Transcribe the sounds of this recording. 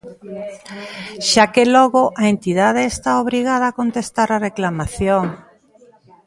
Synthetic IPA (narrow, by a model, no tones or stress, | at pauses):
ʃakelɔɣoʔaent̪ið̞að̞eːst̪aoβ̞ɾiɣað̞aːkont̪est̪aɾareklamaθjoŋ